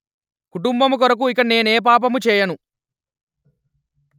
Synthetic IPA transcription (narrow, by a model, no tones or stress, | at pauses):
kuʈumbɐmukɔɾɐk̬uikɐne̞ːneːp̬aːp̬ɐmut͡ʃɛːjɐnu